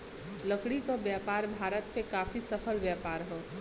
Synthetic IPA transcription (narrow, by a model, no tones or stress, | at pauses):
ləkɽikabjaːpaːɾbʱaːɾət̪̚pekaːfisɐpʰəlʋjaːpaːɾɦoː